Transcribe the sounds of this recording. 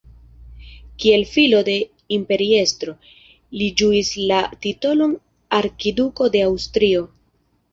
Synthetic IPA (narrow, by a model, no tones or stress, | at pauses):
kie̞lfilo̞de̞ | impe̞ɾie̞stɾo̞ | lid͡ʒuislatito̞lo̞n | aɾkiduko̞de̞awstɾio̞